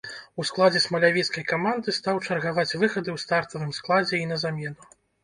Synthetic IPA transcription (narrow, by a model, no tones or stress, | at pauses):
usklˠad͡zʲɛsmɐlʲavʲɛt̪skɐjkamand̪ɨst̪awt͡ʂɐrɣavat͡sʲvɨxɐd̪ɨwst̪art̪ɐvɨmsklˠad͡zʲɛin̪ɐzamʲɛnu